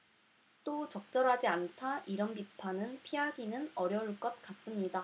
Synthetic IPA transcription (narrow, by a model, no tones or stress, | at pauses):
t͈ot͡ɕʌk̚t͡ɕ͈ʌɾɦad͡ʑiantʰaʔiɾʌnpipʰanɯnpʰiaɡinɯnʌɾjʌuɭk͈ʌt̚k͈as͈ɯmɲida